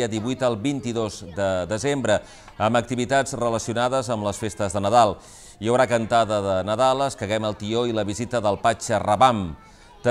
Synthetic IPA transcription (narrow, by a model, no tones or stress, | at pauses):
əðiβujt̪əlˠβint̪iðozd̪əd̪əzembɾə | əmbək̚t̪iβit̪ad͡zrələsiunaðəzəmləsfest̪əzðənəðalˠ | iəwɾakənt̪aðəðənəðalˠəskəɣɛməlˠt̪ioiləβizit̪əðəlˠpat͡ʃərəβam | t̪ə